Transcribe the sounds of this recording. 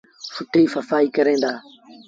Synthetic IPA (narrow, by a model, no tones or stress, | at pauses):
fʊʈʰiːfəfaːiːkəɾẽːnd̪aː